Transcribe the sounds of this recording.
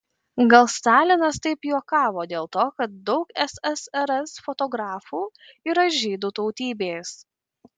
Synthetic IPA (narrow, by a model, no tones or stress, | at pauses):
ɡɐlˠst̪ɑːlʲɪnɐst̪ɐɪpjuɔkɑːʋoːd̪ʲeːlˠt̪oːkɐt̪̚d̪ɒʊkɛsɛsɛɾɛsfɔt̪ɔɡɾɑːfuː | iɾɐʒʲiːd̪uːt̪ɔʊt̪ʲiːbʲeːs